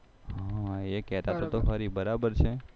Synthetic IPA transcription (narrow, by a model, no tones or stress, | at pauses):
ɦãekɛt̪at̪ot̪oɦəɾibəɾabəɾt͡ʃʰe